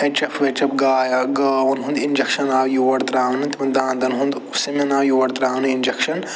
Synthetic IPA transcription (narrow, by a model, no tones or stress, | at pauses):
ɐ̃t͡ʃɐfʰʋet͡ʃɐpɡaːjɐɡaːʋɐnɦũnd̪ind͡ʒɐkʃɐnaːwjoːɐɽt̪ɾaːnɨt̪imɐ̃nd̪ãːnd̪ɐnɦũnd̪ʊsemɐnaːjoːɐɽt̪ɾaːnind͡ʒɐkʃɐn